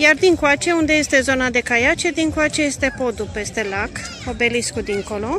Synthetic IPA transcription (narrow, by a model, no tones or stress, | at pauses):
jard̪iŋkwat͡ʃe̞und̪ejest̪e̞zo̞nad̪e̞kajat͡ʃed̪iŋkwat͡ʃe̞je̞st̪e̞po̞d̪upe̞st̪e̞lak | obe̞liskud̪iŋko̞lo̞